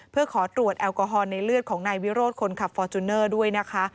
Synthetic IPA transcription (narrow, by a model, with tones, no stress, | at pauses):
pʰɯ˥˩əkʰɔː˩˦t̪ɾu˨˩ət̪̚ʔɛː˧wkɔː˧ɦɔː˧nːa˧jlɯ˥˩ət̪̚kʰɔː˩˦ŋnaː˧jwi˦˥ɾoː˥˩t̪̚kʰo˧nkʰa˨˩p̚fɔː˧t̪u˧nːɤː˥˩du˥˩əjna˦˥kʰa˦˥